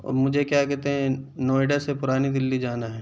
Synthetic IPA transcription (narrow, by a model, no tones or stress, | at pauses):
ɔ̰ːɾmʊd͡ʒʱekjakɛɾt̪eɦɛ̃noːɪɖasepʊɾaːnid̪ɪlːid͡ʒaːnaɦɛː